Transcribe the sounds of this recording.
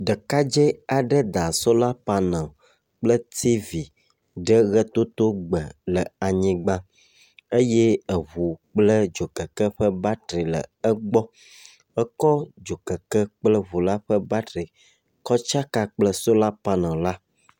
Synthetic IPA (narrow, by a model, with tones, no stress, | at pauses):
ɖə˨ka˦d͡ʒɛ˦a˨ɖə˦d̪a˨so˦la˦pa˦nã˨ | k͡plə˦t̪ʰi˦vi˨ | ɖə˦ɣɛ˦t̪o˦t̪o˦ɡ͡bə˨lə˨a˨ɲĩ˨ɡ͡bã˦ | e˦jɛ˦ə˨βu˨k͡plə˦d͡ʒo˨kə˨kə˦ɸə˦ba˦t̪ɾi˨lə̰˨ə˦ɡ͡bɔ˦ | ə˦kɔ˦d͡ʒo˨kə˨kə˦k͡plə˦βu˨la˦ɸə˦ba˦t̪ɾi˨ | kɔ˦t͡ʃa˦ka˦k͡plə˦so˦la˦pa˦nã˨la˦